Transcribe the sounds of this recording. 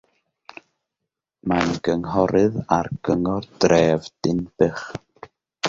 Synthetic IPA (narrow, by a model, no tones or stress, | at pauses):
manɡəŋɦɔɾɨðarɡ̥əŋɔrd̥rɛːvd̥ɪnb̥ɨχ